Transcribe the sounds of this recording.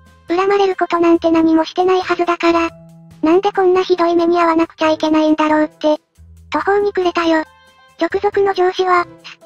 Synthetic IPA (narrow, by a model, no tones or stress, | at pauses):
ɯ̟ɾamaɾe̞ɾɯ̟ko̞t̪o̞nãnt̪e̞naɲ̟imo̞ɕi̥t̪e̞naihazɨd̪akaɾanãnd̪e̞kõ̞nːaçid̪o̞ime̞ɲ̟iβaβanakɯ̟̥t͡ɕaike̞naind̪aɾo̞ːt̪ːe̞ | t̪o̞ho̞ːɲ̟ikɯ̟ɾe̞t̪ajoː | d͡ʑo̞kɯ̟zo̞kɯ̟no̞ʑo̞ːɕiβ̞a